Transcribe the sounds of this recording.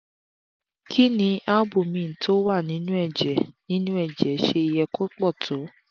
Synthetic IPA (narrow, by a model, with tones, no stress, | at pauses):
kʰi˦nĩ˧a˦bu˨mĩ˨n̩˨tʰo˦wa˦˨nĩ˨˦nũ˦ɛ˦˨d͡ʒɛ˨˦nĩ˦nũ˦ɛ˦˨d͡ʒɛ˨˦ʃe˧i˧jɛ˧ko˦k͡pɔ˦˨tʰo˨˦